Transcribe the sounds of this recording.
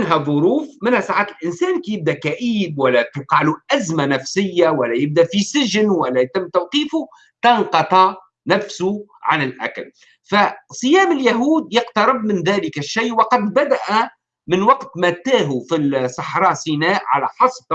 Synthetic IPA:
nɦæðˤʊɾuːfmɪnhæsaʕaːt̪ɪlʔɪnsæːnkijɪb̚d̪ækæʔiːbwælːæt̪uqɑʕluʔæzmanæfsɪjːawælːæjɪb̚d̪æʔfisɪʒnwælːæjt̪ɪmːt̪awqiːfʊ | t̪ɑnqɑt̪ˤɑ | næfsʊʕanɪlʔæ̰kl | fasˤɨjæːmɪljaɦuːd̪jɑqt̪ɑɾɪb̚mɪnðæːlɪkæʃːajʔwɑqɑd̪bad̪aʔæ | mɪnwɑqt̪mæt̪æːɦufilsˤɑħɾˤɑːsinæːʔʕa̰læħɑsˤb

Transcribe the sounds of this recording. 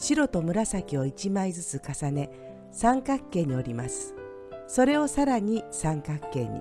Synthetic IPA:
ɕiɾo̞t̪o̞mɯ̟ɾasakʲio̞it͡ɕimaizɨt͡sɨkasane̞ | sãŋkakːe̞ːɲ̟io̞ɾʲimasɨ̥ | so̞ɾe̞o̞saɾaɲ̟isãŋkakːe̞̰ːɲ̟ḭ

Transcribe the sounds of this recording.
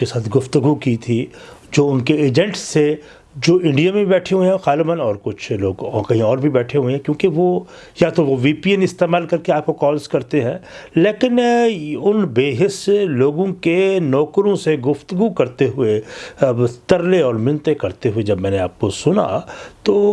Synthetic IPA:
esaːt̪ʰɡʊft̪əɡukit̪ʰid͡ʒoːʊnkeeːd͡ʒɛ̃ɳʈse | d͡ʒoːʔɪ̃ɳɖijamẽbɛːʈʰeɦʊẽɦɛxaːlebənɔːɾkʊt͡ʃʰloːɡɔkɐɦĩɔːɾbʱibɛːʈʰeɦʊẽɦɛ̃kjõːkeʋo | jat̪oʋoʋiːpiːɛnɪst̪eːmaːlkɐɾkeaːp̚kokɔːlzkɐɾt̪eɦɛ̃ːleːkɪnʊnbeːɦɪsloːɡõkenɔːkɾõseɡʊft̪əɡukɐɾt̪eɦʊe | st̪ɐɾleɔːɾmɪnt̪ekɐɾt̪eɦʊed͡ʒɐbmɛ̃ːneaːp̚kosʊna̰t̪oː

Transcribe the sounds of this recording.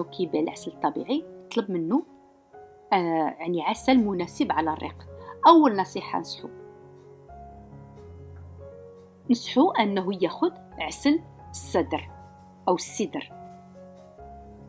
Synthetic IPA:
kʰibælʕaslt̪ˤːɑbḭʕijət̪ˤləbmənːu | jaʕniʕasælmʊnæsəbʕalærˤːḭqʔæwːəlnɑsˤiħa̰nəsħu | nəsħuʔænːɦujæxʊd̪ʕasəl | əsːæd̪ɾ | ʔəwəsːəd̪əɾ

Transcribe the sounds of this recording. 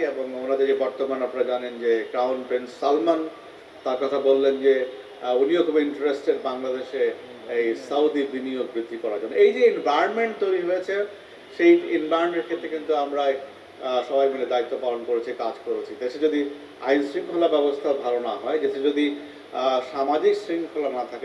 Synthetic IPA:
eboŋonad̪eɾd͡ʑebɔɾt̪omanapnaɾad͡ʑanend͡ʑeɡɾawnpɾensːalman | t̪aɾkɔt̪ʰabolːend͡ʑe | oniokʰɔboiɳʈɾesʈeɾbaŋlad̪eʃe | ejsawd̪ibinioɡ̚bɾid̪ʱːikɔɾaɾd͡ʑonːoejd͡ʑeenvajonmeɳʈ̚t̪ojɾiɦojet͡ɕʰe | ʃejenbajoɳʈeɾkʰet̪ːɾekint̪uamɾa | ʃɔbajmened̪ait̪ːopalonkoɾet͡ɕʰikad͡ʑkoɾet͡ɕʰit̪eʃed͡ʑod̪i | ajnsɾiŋkʰolabɛbost̪ʰabʱalonaɦɔed͡ʑeʃʰed͡ʑod̪i | ʃamad͡ʑiksɾiŋkʰolanat̪ʰake

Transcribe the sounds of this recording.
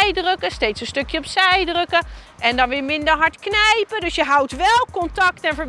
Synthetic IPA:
jdrøkəstejtsənstɵkjəɔpsɛjdrɵkə | ʔɛndɑnʋɪːɹmɪndəɹɦɑɹtknɛjpədɵsjəɦʌwtʋɛlˠkɔntɑktɛnvəɹ

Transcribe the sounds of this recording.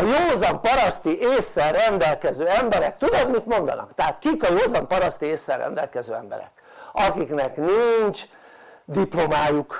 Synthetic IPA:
ɒjoːzɒmpɒɾɒst̪iʔeːsːɛrrɛnd̪ɛlkɛzøːɛmbɛɾɛk̚t̪ud̪od̪mit̪mo̞nd̪ɒ̰nɒ̰kt̪ɛɦat̪kikɒjoːzɒmpɒɾɒst̪ieːsːɛrːɛ̰nd̪ɛ̰lkɛzøːɛmbɛ̰ɾɛ̰k | ɒkiknɛknint͡ʃ | d̪iplo̞maːjuk

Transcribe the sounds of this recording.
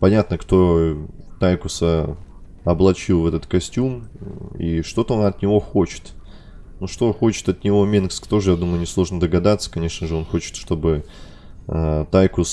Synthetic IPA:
pɐnʲat̪nəkt̪o̞t̪ajkʊsə | ɐblˠɐt͡ɕilˠvɛt̪ət̪kɐsʲtʲumḭʂt̪o̞t̪əo̞nɐt̪nʲɪvo̞xo̞t͡ɕɪ̥t̪ | nuʂt̪o̞xo̞t͡ɕɪ̥t̪ɐt̪nʲɪvo̞mʲinkskt̪o̞ʐɨjad̪uməjʊnʲɪslˠo̞ʐnəd̪əɡɐd̪at̪sːə̥kɐnʲe̞ʂnəʐɨo̞nxo̞t͡ɕɪ̥t̪ʂt̪o̞bɨ | t̪ajkʊs

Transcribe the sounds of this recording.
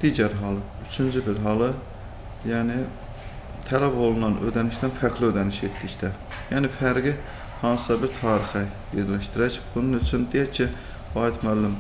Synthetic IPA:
d̪̥iːɟæɾɦɑːlˠɯ | yt͡ʃʰynd͡ʒybiɾɦɑːlˠɯ | jæːnɪ | t̪ʰælæbolˠunɑnø̰d̪æniʃt̪ænfæɾkliød̪æniʃet̪ːict̪ʰæ | jæːnɪfæɾɡi | hɑːsɨ̥sɑbiɾt̪ʰɑːɾixæ | jeɾlæʃt̪iɾæcb̥ununyt͡ʃʰynd̪ijæɾcʰi | vɑːɦit̪mælːɪm

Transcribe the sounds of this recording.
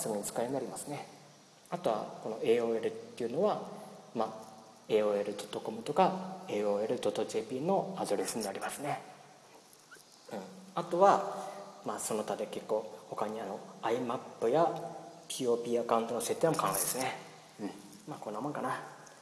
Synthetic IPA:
sɨɡoɲ̟it͡sɨ̥kainaɾʲimasɨne̞ | at̪o̞βa̰ko̞no̞e̞ːo̞ːe̞ɾɯ̟t̪ːe̞iɯ̟no̞βamaː | e̞ːo̞ːe̞ɾɯ̟d̪o̞t̪ːo̞ko̞mɯ̟t̪o̞kae̞ːoːe̞ɾɯ̟d̪o̞t̪ːoʑe̞ːpʲiːno̞ad̪o̞ɾe̞sɨɲ̟inaɾʲimasɨne̞ | ɯ̟̃ɴat̪o̞βa | maːso̞no̞t̪ad̪e̞ke̞kːo̞ːho̞kaɲ̟iano̞aimapːɯ̟japʲiːo̞ːpʲiːakaɯ̟̃nt̪o̞nose̞t̪ːeemo̞kʰãŋaid̪e̞sɨne | ɯ̟̃ | maːko̞nːamõ̞ŋkana

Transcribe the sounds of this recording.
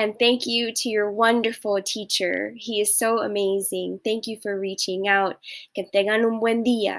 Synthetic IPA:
ɨ̃nθæ̃ŋkjɨɾɨjə˞wʌ̃ndə˞fl̩ˠtʰit͡ʃə̰˞iɨz̥soʊəmeɪzɪ̃ŋθæ̃ŋkjɨfə˞ɹit͡ʃɪ̃ŋaʊt̚kɨθɛɡə̃nũmwɛ̃ndiə̰

